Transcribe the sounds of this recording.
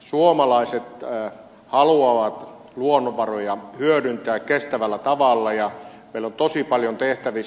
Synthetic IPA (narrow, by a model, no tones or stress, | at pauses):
suomɑlɑiset̪ː | hɑluɑʋɑt̪ | luonːoʋɑrojɑhyøɾynt̪æːkkest̪æʋælːˑæt̪ɑʋɑlːɑjɑ | meilːont̪osipɑljont̪eht̪æʋi